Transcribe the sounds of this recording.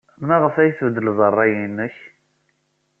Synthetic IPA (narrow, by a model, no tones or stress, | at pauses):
mnæʁəfæjθvəd̪ːəlzˤərˤːɑjinːəç